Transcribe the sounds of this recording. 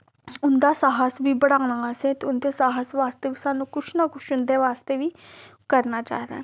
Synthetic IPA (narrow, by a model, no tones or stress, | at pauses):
ʊnd̪aːsaːɦəsʋiːbəɽãːnãːsẽt̪eʊnd̪eːsaːɦəsʋaːst̪eːʋiːsaːnũːkʊʃnaːkʊʃʊnd̪eːʋaːst̪eːʋiːkəɾnaːt͡ʃa̰ːd̪a̰ː